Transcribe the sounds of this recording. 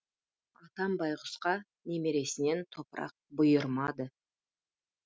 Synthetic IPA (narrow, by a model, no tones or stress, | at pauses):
ɑt̪ɑmbɑjʁʊsqɑ | ne̞me̞ɾe̞sɪne̞nt̪ʰo̞pəɾɑ̰q̚bʊjəɾmɑd̪ə